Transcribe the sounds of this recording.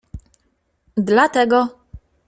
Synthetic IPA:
d̪lat̪ɛɡɔ

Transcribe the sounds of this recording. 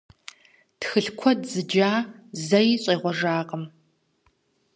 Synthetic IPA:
txɨɬkʷʰɔdzɨd͡ʒaːzɐjɕʼeːʁʷɔʐaːqəm

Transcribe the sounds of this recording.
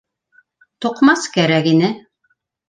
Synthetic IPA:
t̪ŏqmɑskæɾækinɘ

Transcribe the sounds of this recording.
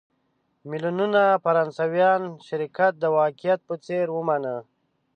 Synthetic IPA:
milununafaɾɑnsawjɑnʃɪɾikat̪̚d̪əwɑkijat̪̚pət͡seɾwəmanə

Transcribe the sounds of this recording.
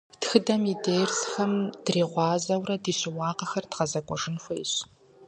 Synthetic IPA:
txɨdɐmideːjrsxɐmd̥riːʁʷɑːzɐwrɐdiːɕɪwɑːqɐxɐrdqɐzɐkʷʼɔʐɨnxʷɐj̰ɕ

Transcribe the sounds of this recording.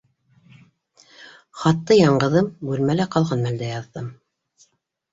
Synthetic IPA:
χɑt̪ːɤjɑɴɢɤ̆ðɤmbʉlmælæqɑlˠʁɑnmæld̪æjɑðːɤm

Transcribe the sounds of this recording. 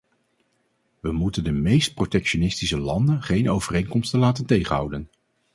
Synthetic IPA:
ʋəmutəndəmejst̚protɛkʃonɪstisəlɑndənχejnʔowvərejŋkɔmstənlaːtəntejχənɦʌ̰wdən

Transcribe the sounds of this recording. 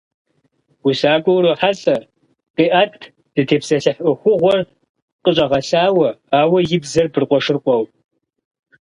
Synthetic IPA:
wʊsaːɡʷʼɔwɾoħaɕʼɐ | qiːʔatʰ | d̥ɨtʰeːpsɐɬɐħʼʷʊxʷʊʁʷɔr | qʼəɕʼɐʁɐsaːwɐaːwɐjɪbzɐrbɨrqʷʼɔʂɨrqʷʼɔw

